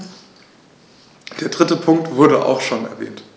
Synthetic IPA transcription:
d̥eːɐdʁɪtəpʰʊŋk̚tv̥ʊɐɾə̰ʔa̰ʊxʃoːnɛ̰ɐvɛ̰ːnt

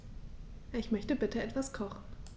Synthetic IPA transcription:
ɪçmœçtəbɪtʰəɛtv̥askʰɔχn̩

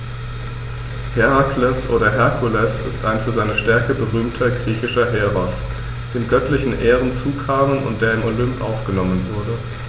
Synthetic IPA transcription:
hɛʁaklɛsʔoːɾɐɦɛɐkʰulɛsɪ̰staɪnfyːɐzaɪnəʃtɛɐkəbəʁyːmtʰɐɡʁiːçɪʃɐɦeːʁɔs | d̥eːmɡœtʰlɪçn̩ʔeːʁən̩t͡suːkʰaːmənʊ̰ntd̥eːɐɪmolʏmpʔa̰ʊfɡ̥ənɔmənvʊɐdə

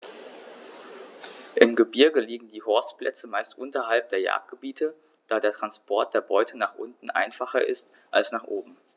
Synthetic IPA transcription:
ʔɪmɡəbɪɐɡəliːɡŋ̩diːhɔɐstpl̥ʔɛ̰t͡səmaɪstʔʊntɐɦalp̚d̥eːɐja̰ɐk̚t̚ɡ̥əbiːtʰə | d̥aːdeːɐtʁ̥anspʰɔɐt̚d̥eːɐbɔʏtʰənaːχʔʊ̰ntn̩ʔa̰ɪnfaχɐʔɪ̰st | ʔalsnaːχʔoːbm̩

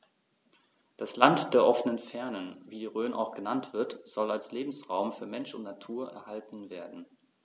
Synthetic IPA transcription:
d̥aslantd̥eːɐʔɔfənənfɛɐnənviːʁøːnʔa̰ʊxɡ̥ənantv̥ɪɐtz̥ɔlalsleːbm̩sʁaʊmfyːɐmɛnʃʊ̰ntnatʰuːɐʔɛ̰ɐhaltn̩veːɐdn̩

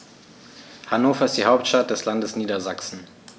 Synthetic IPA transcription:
hanoːfɐɪstd̥iːhaʊp̚tʃtat̚d̥ɛslandəsniːdɐzaksn̩

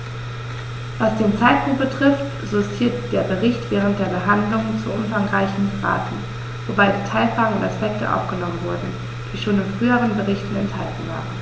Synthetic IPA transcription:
vasd̥eːnt͡saɪt̚pʰʊŋt̚b̥ətʁ̥ɪft | z̥ostʰiːɐtd̥eːɐbəʁɪçtv̥ɛːʁ̞ənt̚d̥eːɐbəɦandlʊŋt͡suʔʊmfaŋʁaɪçn̩pəʁa̰ːtn̩ | vobaɪdiːtʰaɪlfʁ̥aːɡŋ̩ʊntaspɛk̚tə̰ʔa̰ʊfɡ̥ənɔmənvʊɐdn̩ | d̥iːʃoːnɪnfʁ̥yːəʁ̞ənbəʁɪçtn̩ɛ̰ntha̰ltn̩va̰ːʁən

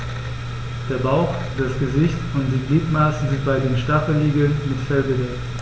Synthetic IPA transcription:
d̥eːɐbaʊx | d̥asɡ̥əzɪçtʊntd̥eːnniːtmaːsn̩zɪnt̚b̥aɪdeːnʃtafl̩hiːɡl̩nmɪtfɛlɡəvɛkt

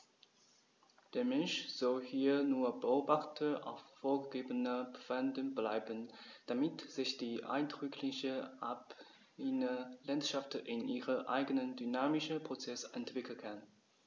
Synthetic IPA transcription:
d̥eːɐmɛnʃz̥ɔlhiːɐnuːɐbəoːbaχtʰəʔa̰ʊffoːɐɡəɡeːbənəbfandənblaɪbənd̥amɪtz̥ɪçd̥iːʔa̰ɪnd̥ʁʏkʰlɪçəʔap | inəlantʃaftʔɪnʔiːʁəʔa̰ɪɡənəndynaːmɪʃəpʁ̥ot͡sɛsɛntv̥ɪkl̩kʰan

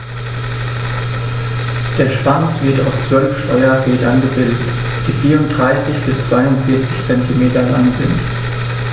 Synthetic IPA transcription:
d̥eːɐʃpansv̥ɪɐta̰ʊst͡sv̥œlfʃtɔʏɐfeːdɐnɡəbɪldət | d̥iːfiːɐʁʊnt̚d̥ʁaɪsɪçb̥ɪst͡sv̥aɪʊntfɪɐt͡sɪçt͡sɛntʰimeːtɐla̰ŋzɪnt

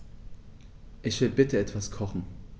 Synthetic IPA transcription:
ʔɪçv̥ɪlbɪtəɛtv̥askʰɔχn̩

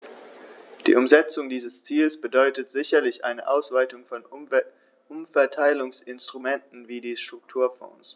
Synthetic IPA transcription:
d̥ḭːʔʊmzɛt͡sʊŋdiːzəst͡siːlsb̥ədɔʏtətz̥ɪçɐlɪçʔa̰ɪnəʔaʊsv̥aɪtʊŋfɔn | ʊmfɛɐtʰaɪlʊŋsɪnstʁ̥umɛntn̩viːdiːʃtʁ̥ʊk̚tʰuːɐfɔ̰̃ːs

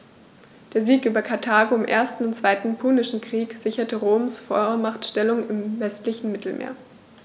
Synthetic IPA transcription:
d̥eːɐziːkʔyːbɐkʰaɐtʰaːɡoɪmʔeːɐstn̩ʊntt͡sv̥aɪtn̩pʰuːnɪʃn̩kʁ̥iːkz̥ɪçɐtəʁoːmsfoɐmaχtʃtɛlʊŋɪmvɛstlɪçn̩mɪtl̩mḛːɐ

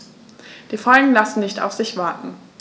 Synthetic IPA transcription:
d̥iːfaʏɡn̩lasn̩nɪçta̰ʊfz̥ɪçv̥aɐtn̩

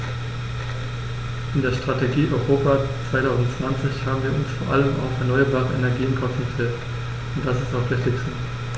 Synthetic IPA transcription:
ʔɪndeːɐʃtʁ̥ateɡiːʔɔʏʁoːpat͡sv̥aɪtʰaʊzn̩tt͡sv̥ant͡sɪçhaːbm̩viːɐʔʊnsfoːɐʔaləma̰ʊfɛɐnɔʏɐbaːʁəɛnɛɐɡiːɪnkʰɔfŋɡəfɛlt | ʊnt̚d̥asɪstaʊxv̥ɪçtɪçstə

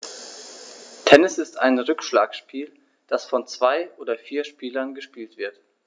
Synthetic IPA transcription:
tʰɛnɪsɪsta̰ɪnʁʏkʃlaːkʃpʰiːl | d̥asfɔnt͡sv̥aɪʔoːdɐfiːɐʃpiːlɐnɡəʃpiːltv̥ɪɐt

